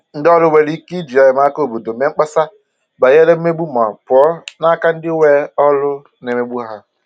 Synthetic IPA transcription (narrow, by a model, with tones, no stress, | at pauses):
n̩˦dɔ˦lʊ˦we˨li˦ki˦d͡ʒi˨a˨jɪ˨ma˦ko˨bo˨do˨˦me˦ŋ͡m̩˦k͡pa˦sa˦ | ba˨je˦le˦m̩˦me˦bu˦ma˨pʊ˨ɔ˦na˦ka˦n̩˦dɪ˦we˦ɔ˦lʊ˦ | ne˨me˦bu˦ɦa˦